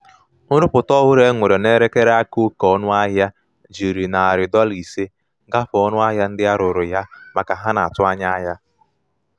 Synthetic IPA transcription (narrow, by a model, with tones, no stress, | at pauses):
ʊ˦ɾʊ˦pʊ˨tɔ˦ɦʊ˦ɾe˦ŋʷe˨ɾe˨ne˦ɾe˦ke˦ɾa˦ku˦kɔ˦nʊ˦a˦ɦja˦ | d͡ʒi˨ɾi˨na˨a˨ɾɪ˨dɔ˦li˨se˦ | ɡa˦fɔ˦nʊ˦a˦ɦja˦n̩˦dɪ˦a˦ɾʊ˨ɾʊ˨ja˦ma˨ka˨ɦa˦na˨a˨tʊ˦a˦ɲa˦ɦa˦